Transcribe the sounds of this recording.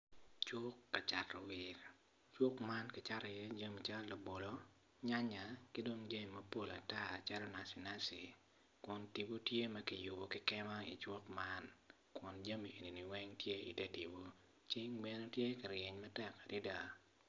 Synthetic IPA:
t͡ʃʊ˦kːa˨t͡ʃa˨tːɔ˨wɪ˨ɾ | t͡ʃwɔ˦kma˦nkɪ˨t͡ʃa˦ɾje˦d͡ʒa˦mi˨t͡ʃa˦lla˨bo˨lo˦ | ɲa˦ɲa˨ki˦do˦ŋd͡ʒe˦mi˨mɐ˦po˦la˨ta˦t͡ʃa˦ɾɔ˦na˨si˨na˦si˨ | kɔ˨nti˨bo˦tje˦mɐ˦ki˨ju˨bo˨kɪ˦kɛ˦ma˦ḭ˨t͡ʃwɔ˦kma˦n | kwɔ˨nd͡ʒa˦mi˨ʔe˨ni˨ni˨wɛ˦ŋtje˦ḭ˨tɛ˦ti˨bo˦ | t͡ʃɪ˦ŋbɛ˦no˦tje˦ka˨ɾjɛ˨ɲmɐ˦tɛ˦ka˨di˦da˨

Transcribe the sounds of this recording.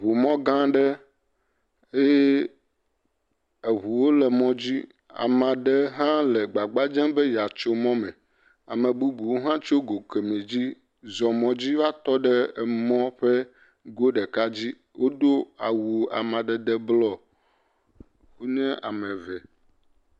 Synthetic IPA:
βu˨mɔ̃˦ɡã˦ɖɛ˦ | e˦ | e˨ɦu˨wo˦lɛ˨mɔ̃˨d͡ʑi˦ | a̰˨mã˨ɖɛ˦ɦã˦lɛ˨ɡ͡ba˨ɡ͡ba˦d͡ʒɛ̃˦bɛ˦ja˨t͡ʃo˦mɔ̃˦mɛ̃˨ | a̰˨mɛ̃˨bu˦bu˨wo˦ɦã˦t͡ʃo˦ɡo˨ke˨mẽ˨d͡ʑi˦ | zɔ̃˨mɔ̃˨d͡ʑi˦va˦t̪ɔ˦ɖɛ˦˨mɔ̃˦ɸɛ˦ | ɡo˦ɖɛ˨ka˦d͡ʑi˦ | wʔo˦d̪o˦a˨wu˨a̰˨mã˨ɖɛ˦d̪ɛ˦blɔ˦ | ɸu˦nɛ̃˦ʔa˨mɛ̃˨vɛ˨

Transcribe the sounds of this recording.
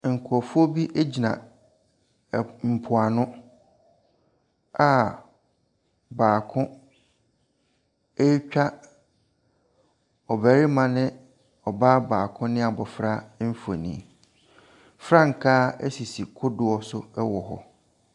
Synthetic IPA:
ŋ̩˨kʰʊ˨ɔ˨fʊ˦ɔ˦bi˦ʔe˦d͡ʑi˨nã̰˨ | m̩˨pʰʊ˨a˨nʊ̃˦ | a˨ | baː˨kʰʊ̃˦ | e˦t͡ɕᶣa˦ | ɔ˨bæ˨ɾi˦mã˨nɪ̃˦ | ɔ˨baː˦baː˨kʰʊ̃˦nɪ̃˦a˨bɔ˨fɾa˦m̩˦fo̰˨nḭ̃˨ | fɾa˦ŋ̩˨kʰa˦ḛ˦si˨si˨kʰʊ˦dʊ˨ɔ˨sʊ˦ɛ˦wɔ˨ɦɔ̰˨

